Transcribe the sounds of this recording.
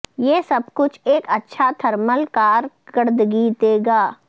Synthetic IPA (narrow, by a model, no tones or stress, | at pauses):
jeːsɐb̚kʊt͡ʃʰeːkɐtːʃʰat̪ʰɐɾməlkaːɾ | kəɾd̪ɡiːt̪eːɡaː